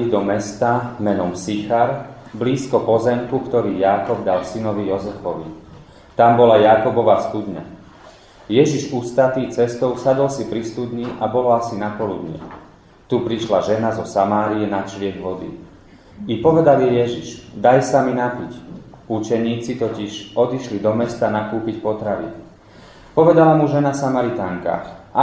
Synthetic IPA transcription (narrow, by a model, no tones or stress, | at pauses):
id̪ɔmɛst̪amɛnɔmsixaɾbliːskɔpɔzɛmkukt̪ɔɾiːjaːkɔbd̪alsinɔʋijɔzɛfɔʋḭ | t̪ambɔlajakɔbɔʋast̪ud̪ɲa̰ | jɛʒiʒust̪at̪iːt͡sɛst̪ɔʊsad̪ɔlsipɾist̪ud̪ɲiʔabɔlɔasinapɔlud̪ɲɪɛ̰ | t̪upɾiʃlaʒɛnazɔsamaːɾiɛnat͡ʃlɪɛɡʋɔd̪ḭ | ipɔʋɛd̪aliɛjɛʒiʃd̪ajsaminapicut͡ʃɛɲiːt͡sit̪ɔciʒɔd̪iʃlid̪ɔmɛst̪anakuːpicpɔt̪ɾaʋḭ | pɔʋɛd̪alamuʒɛnasamaɾit̪aːŋka̰ːxa